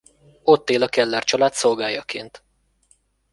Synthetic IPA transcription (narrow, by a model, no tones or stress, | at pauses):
o̞t̪ːeːlɒkɛlːart͡ʃɒlaːt̪so̞lɡaːjɒkeːnt̪